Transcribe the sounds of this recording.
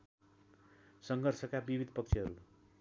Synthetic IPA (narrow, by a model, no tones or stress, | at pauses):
sʌŋɡʱʌrsʰʌkabibid̪ʱpʌk̚t͡sʰiɦʌɾu